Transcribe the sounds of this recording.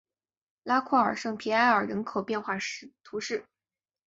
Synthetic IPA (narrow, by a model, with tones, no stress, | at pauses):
la˥kʰwɔ˥˩ə̰˞˨˩ʂɤ˥˩ŋpʰi˧˥a˧˥ɪə˞˨˩ɻə˧˥nkʰo˨˩ʊpjɛ˥˧nxwa˥˧ʂt̪ʰu˧˥ʂɻ̩˥˩